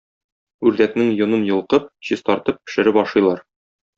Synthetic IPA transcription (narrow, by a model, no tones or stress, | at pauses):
ʉɾd̪æknɘŋjŏnɤnjɤ̆lˠqɤp̚ɕiz̥t̪ɒɾt̪ɤpːɘ̥̆ʃɘ̆ɾɘpɒʃɤ̆jlˠɑɾ